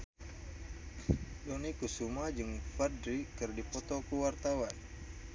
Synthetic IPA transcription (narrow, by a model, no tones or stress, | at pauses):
dɔnikusumad͡ʒɨŋfadɾikɨrdipɔt̪ɔkuwart̪awan